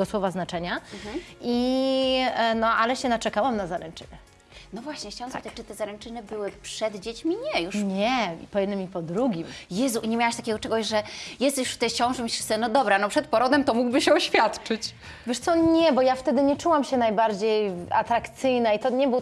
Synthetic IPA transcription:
ɡɔswɔvaznat͡ʂɛɲa | i | nɔʔalɛɕɛnat͡ʂɛkawamnazaɾɛnt͡ʂɘ̰nɛ | nɔvwaɕɲɛxt͡ɕawamzaat͡ʂːɨt̪ɛzaɾɛnt͡ʂɘnɘbɘwɘpʂɛd̪d͡ʑet͡ɕmʲiɲɛjuʂɲɛpɔjɛd̪nɘmʲipɔd̪ɾuɡʲimjɛzuʔɲemʲjawaɕt̪akʲɛɡɔt͡ʂɛɡɔʑʐɛjɛst̪ɛjuʂft̪ɛt͡ɕɔãw̃ʐɛmiɕʂɘ̥st̪ɛnɔd̪ɔbɾanɔpʂɛt̪̚pɔɾɔd̪ɛmt̪ɔmuɡbɘɕɛɔɕfʲjat̪t͡ʂɘt͡ɕ | vʲɛʂt̪sɔɲɛbɔjaft̪ɛd̪ɘɲɛt͡ʂuwamɕɛnajbaɾd͡ʑeja̰t̪ɾakt̪sɘjnait̪ɔɲɛbɘw

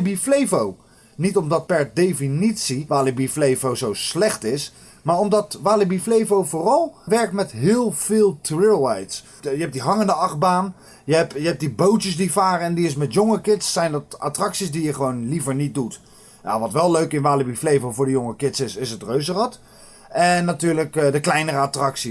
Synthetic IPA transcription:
biflejvow | nitɔmdɑt̚pɛɹdejfinitsiʋaːlibiflejvowzowslɛχtɪs | maːɹɔmdɑtʋaːlibiflejvowvʊːrɑlˠʋɛɹk̚tmɛtɦɪːlˠv̥ɪːlˠtrɪlˠɛjts | jəɦɛp̚diɦɑŋəndəɑχbaːn | jəɛpjəɦɛp̚dibowtəsdivaːrəɛndiɪs̬mɛtjoŋəkɪtsːɛjndɑta̰trɑksisdijəχəʋownlivəɹnit̚dut | ja̰ʋɑtʋɛlˠløɥkɪnʋaːlibiflejvowvʊːɹdəjoŋəkɪtsɪsɪsɦətrøɥzərɑt | ɛnːatyːɹləkdəklɛjnərəatrɑksi

